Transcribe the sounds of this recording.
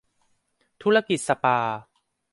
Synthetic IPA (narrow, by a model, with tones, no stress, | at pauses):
t̪ʰu˦˥la˧ki˨t̪̚sa˧paː˧